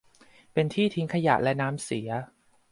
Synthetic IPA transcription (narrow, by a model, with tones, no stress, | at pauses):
pe˧nt̪ʰiː˥˩t̪ʰi˦˥ŋkʰa˧ja̰˨˩ʔlɛ˦˥naː˦˥msi˩˦ɐ